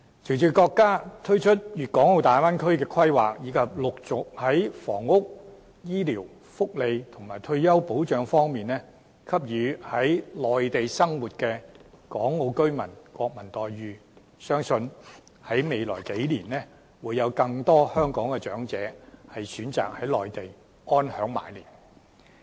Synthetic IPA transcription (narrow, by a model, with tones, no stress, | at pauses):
t͡sʰi˨˩wt͡ʃyː˨˩kɔː˧kːaː˥t̪ʰɵ˥ɥt͡ʃʰɵ˥t̚jyː˨t̚kɔː˨˥ŋo˨˧wt̪aː˨˩waː˥nkʰɵ˥ɥkɛː˧kʰɐ˥jwaː˨k̚jiː˨˧kʰɐ˨p̚lʊ˨k̚t͡sʊ˨k̚hɐ˨˦˥jfɔ̰ː˨˩ŋːʊ˥k̚ | jiː˥liː˨˩w | fʊ˥k̚le˨˧jt̪ʰʊ˨˩ŋmaː˨˩jt̪ʰɵ˧ɥjɐ˥wpo˨˥wt͡ʃœː˨˧ŋfɔː˥ŋmiː˨nlɛː˥ | kʰɐ˥p̚jyː˨˧hɐ˨˥jlɔː˨jt̪e˨jsɐ˥ŋwuː˨t̚kɛː˧kɔː˨˥ŋːo˧wkɵ˥ɥmɐ˨˩nkwɔː˧k̚mɐ˨˩nt̪ɔː˨jɥyː˨˧ | sœː˥ŋsɵ˧n | hɐ˨˥jme˨jlɔː˨˩jke˨˥jliː˨˩nɛː˥ | wuː˨˧jːɐ˨˧wkɐ˧ŋt̪ɔː˥hœː˥ŋkɔː˨˥ŋkɛ˧t͡ʃœː˨˥ŋt͡sɛ̰ː˨˥hɐ˨jsyː˨˥nt͡sa̰ː˨k̚hɐ˨˥jlɔː˨jt̪e˨j | ŋɔː˥nhœː˨˥ŋma̰ː˨jliː˨˩n